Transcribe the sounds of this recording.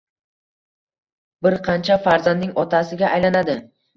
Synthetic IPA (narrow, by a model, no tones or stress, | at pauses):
bɪɾqʰɑnt͡ʃʰafaɾzanːɪŋɒt̪ʰasɪɡʲaʔːjlanad̪ɪ